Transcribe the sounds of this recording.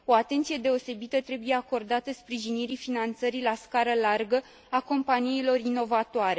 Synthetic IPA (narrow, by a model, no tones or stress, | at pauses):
o̞at̪e̞nt̪sije̞d̪e̞o̞se̞bit̪ət̪ɾe̞buje̞ako̞rd̪at̪əspɾiʒiniɾifinant̪səɾilaskaɾəlarɡə | ako̞mpaniilo̞rino̞vat̪oaɾe̞